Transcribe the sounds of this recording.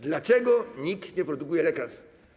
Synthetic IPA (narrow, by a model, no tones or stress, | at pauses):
d̪lat͡ʂɛɡɔɲikt̪ɲɛpɾɔd̪ukujɛlɛkas